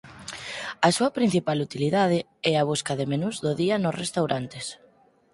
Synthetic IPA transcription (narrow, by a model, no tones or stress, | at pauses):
ɐsuɐpɾin̟θipalut̪iliðað̞ɪ | ɛaβ̞uskɐðemenuzðʊðiɐnʊsrest̪awɾʔant̪es